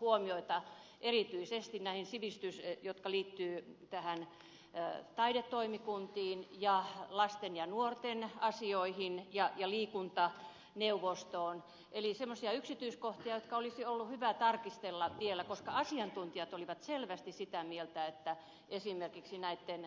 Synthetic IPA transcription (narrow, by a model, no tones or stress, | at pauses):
huomioit̪ɑ | ʔerit̪yisest̪innæihinsiʋist̪ysjot̪kɑliːt̪ːyːt̪æhæn | t̪ɑidet̪ːoimikunt̪iːnjɑlɑst̪enjɑnuort̪enɑsioihinjɑjɑliːkunt̪ɑ | neuʋost̪oːn | ʔelisemːosiɑyksit̪yiskoht̪iɑjot̪kɑolisiolːuhyʋæt̪ɑrkist̪elːɑʋielækoskɑɑsiɑnt̪unt̪iɑt̪oliʋɑt̪selʋæst̪issit̪æmielt̪æet̪ːæ | esimerkiksinæit̪ːen